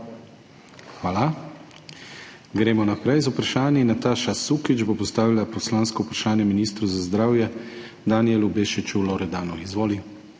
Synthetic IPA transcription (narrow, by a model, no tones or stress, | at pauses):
xʋaːla | ɡɾɛːmɔnapɾɛjzaupɾaʃaːnjinːat̪aːʃasukid͡ʒbopɔst̪aːʋilapɔslanskɔupɾaʃaːnjɛminiːst̪ɾuzazd̪ɾaːwjɛ | d̪anijɛlubeːʃit͡ʃulɔɾɛd̪aːnɔizʋoːli